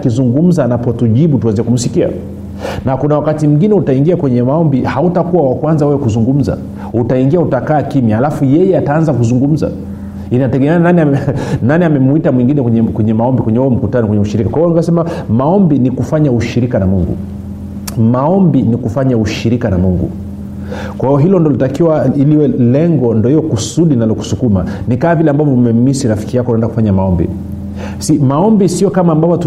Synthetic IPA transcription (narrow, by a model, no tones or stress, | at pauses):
akizuŋɡum̩zanapɔtuʄiɓutuaziɛkum̩sikia̰ | nakunawakatim̩ɡinɛutaiŋɡiakwɛɲɛmaɔmbihautakuwawakwanzawɛwɛkuzuŋɡum̩za̰ | utaiŋɡiautakaːkimihalafujɛjɛataanzakuzuŋɡum̩za̰ | inatɛɠɛmɛananiananiamɛmuitamwiŋɡinɛɛɛkwɛɲɛmaɔmbikwɛɲɛhuɔm̩kutanɔkwɛɲɛuʃiɾikakwahiɔnikasɛmamaɔmbinikufaɲauʃiɾikanamuŋɡṵ | maɔmbinikufaɲauʃiɾikanamuŋɡṵ | kwahiɔɦilɔndɔlitakiwailiwɛlɛŋɡɔndɔhijɔkusuɗinalɔku̥sukuma̰nikaːvilɛambavɔmɛm̩misiɾafi̥kijakɔunaɛndakufaɲamaɔmbḭ | simaɔmbisiɔkamaːmbavɔt